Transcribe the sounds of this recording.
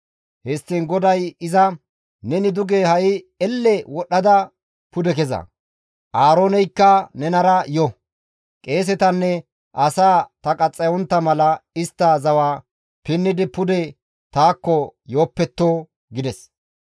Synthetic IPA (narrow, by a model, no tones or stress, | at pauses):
hɛsːinɡɔd̪ɐjɪzɐ | nɛnɪd̪ʊɡehɐjɪ | ɛlːɛwɔɗːɐd̪ɐ | pʊd̪ɛkɛzɐ̰ | ʔaːɾoːnɛjkːɐnɛnɐɾɐjɔ | kʼe̞ːs̬ɛt̪ɐnːɛ | ʔɐsaːt̪ɐkʼɐt͡sʼːɐjɔnt̪ːɐmɐlɐɪst̪ːɐzɐwaː | pɪnːɪd̪ɪpʊd̪ɛ | t̪aːkːɔjo̞ːpːɛt̪ːoː | ɡɪd̪ɛs